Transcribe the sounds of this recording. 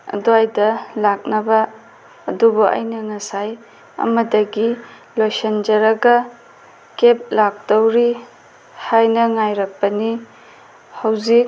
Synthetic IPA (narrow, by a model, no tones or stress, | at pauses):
ɐ̰duajdɐlak̚nɐbɐː | dubuʔɐ̰jnɐŋɐsaj | ɐ̰mɐdɐɡi | lojsɐnd͡ʒɐɾɐɡɐ | kep̚lak̚towɾi | hajnɐŋajɾɐk̚pɐni | hawzik̚